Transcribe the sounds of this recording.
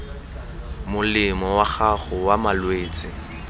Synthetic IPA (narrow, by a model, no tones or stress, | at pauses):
mʊlɪmɔwaχaχʊwamalweːt͡sʼɪ